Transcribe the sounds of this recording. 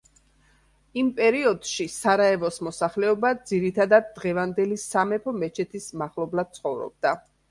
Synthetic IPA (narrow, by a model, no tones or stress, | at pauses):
impʼɛɾiɔd̪̥ʃisaɾaɛvɔsmɔsaχlɛɔbad̪ziɾit̪ʰad̪ad̪̚ːʁɛvand̪ɛlisamɛpʰɔmɛt͡ʃʰɛt̪ʰismaχlˠɔblad̪̥̚t̪sʰχɔvɾɔ̰b̚d̪a